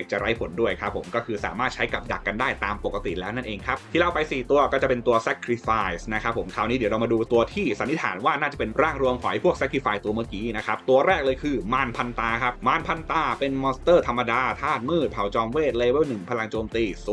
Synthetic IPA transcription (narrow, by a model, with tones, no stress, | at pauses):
k̚t͡ɕa̰˨˩ɾa˦˥jpʰo˨˩˦ndu˥˩əjkʰa˦˥pʰːo˩˦mkɔː˥˩kʰɯː˧sa̰ː˩˦maː˥˩t̪̚t͡ɕʰa˦˥jka˨˩p̚da˨˩kːa˧ndaː˥˩jt̪aː˧mpo˨˩kːa˧t̪ḭ˨˩lɛː˦˥wna˥˩nʔeː˧ŋkʰa˦˥p̚t̪ʰiː˥˩la˧˩wpa˧jsiː˨˩t̪u˧ɐkɔː˥˩t͡ɕa˨˩pe˧nt̪u˧ɐsɛ˦kʰɾi˦˥faː˧jsna˦˥kʰa˦˥pʰːo˩˦mkʰaː˧˩wniː˦˥di˩˦ɾa˧wmaː˧duː˧t̪u˧ɐt̪ʰiː˥˩sa˨˦nːi˦t̪ʰa̰ː˩˦nwaː˥˩naː˥˩t͡ɕa˨˩pe˧nɾaː˥˩ŋɾu˧əmkʰɔ˨˩˦jpʰu˥˩ək̚sɛ˦˥kʰɾi˧˩faː˧jt̪u˧ɐmɯ˥˩əkiː˨˦˥na˦˥kʰa˦˥p̚t̪u˧ɐɾɛː˥˩k̚lɤː˧jkʰɯː˧maː˧npʰa˧nt̪aː˧kʰa˦˥p̚maː˧npʰa˧nt̪aː˧pe˧nmɔː˧st̪ɤː˥˩t̪ʰa˧mːa˧daː˧t̪ʰaː˥˩k̪̚mɯː˥˩t̪̚pʰa˨˩˦wt͡ɕɔː˧mweː˥˩t̪̚leː˧˥beː˥˩nɯ˨˩ŋpʰa˧la˧ŋt͡ɕoː˧mt̪iː˧˩s